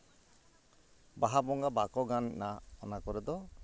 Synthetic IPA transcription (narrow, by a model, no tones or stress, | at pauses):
baɦabɔŋɡabakɔɡanːaɔnakɔɾɛd̪ɔ